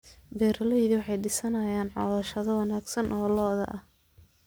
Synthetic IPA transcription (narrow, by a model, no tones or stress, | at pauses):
bɛːɾɐlɛjðɪwɑħɑjɖɪsɐnɐjaːnʕɔ̰ðɐʃɐðɐwɑnaːɡsɐnʔɔːlɔːðɐ̰ʔɐh